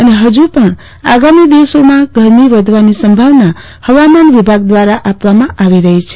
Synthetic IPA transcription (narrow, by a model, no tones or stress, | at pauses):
əneɦəd͡ʒupəɳ | a̰ɡamid̪iʋsomãɡʱəɾmiʋəd̪ʱʋanisəmbʱaʋna | həʋamanʋibʱaɡ̚d̪ʋaɾaʔapʋamãʔaʋiɾəɦit͡ʃʰe̥